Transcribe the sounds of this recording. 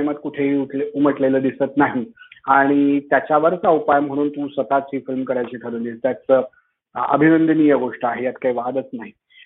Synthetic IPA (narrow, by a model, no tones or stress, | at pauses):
mat̪kuʈʰeɦiuluməʈleləːd̪isət̪naɦiaɽ̃it̪jat͡ɕjaʋəɾsaʋupajəm̤əɽ̃uːnt̪usʋət̪at͡sɦiːfilmkəɾajt͡ɕekʰəɾunist̪at͡sə | ə̰bʱinənd̪ənijəɡoʂʈəaɦejat̪kaiʋad̪ət͡snaɦi